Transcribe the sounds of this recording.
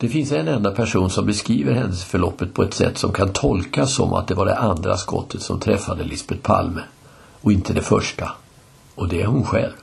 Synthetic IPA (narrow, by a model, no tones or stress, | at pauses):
d̪̥ɛfɪnsɛnɛnd̪apʰæʂuːnsɔmbɛskɾiːvəɾɦɛnd̪əsfœɭɔpːət̪̚pʰɔɛt̪sɛ̰t̪ːsɔmkʰant̪ʰɔlkasːɔ̰mʔa̰t̪̚d̪ɛvaɖɛ̰ʔand̪ɾa̰skɔ̰t̪ʰːət̪sɔmt̪ʰɾɛfːad̪əlɪsbɛt̪̚pʰa̰lmə | ɔɪnt̪əd̪ɛfœʂʈa | ʔɔd̪ɛæɾhʊnɧɛlv